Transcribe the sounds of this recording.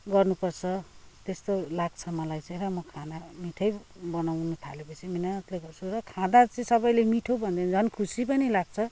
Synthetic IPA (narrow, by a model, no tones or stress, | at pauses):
ɡʌrnupʌrt͡sʰʌt̪est̪olaɡ̚t͡sʰʌmʌlajt͡sʌj̃ɾʌmʌkʰanamiʈʰʌjbʌnawnʌt̪ʰa̰lepʌt͡sʰiminat̪leɡʌrt͡sʰurʌkʰãd̪at͡sʌĩsʌbʌjlemiʈʰobʱʌnd̪end͡zʱʌnkʰusipʌnilaɡ̚t͡sʰʌ